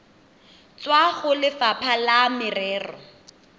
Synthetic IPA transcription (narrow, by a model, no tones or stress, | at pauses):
t͡swaɣʊlɪfapʰalamɪrɛːrɔ̰